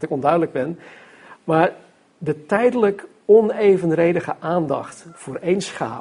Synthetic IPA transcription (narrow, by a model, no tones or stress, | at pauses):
tɪkɔndœɥdələɡ̚bɪn | maːɹ | dətɛjdələk | ɔnejvənrejdəχəʔaːndɑχtfʊːrejnsχa̰ː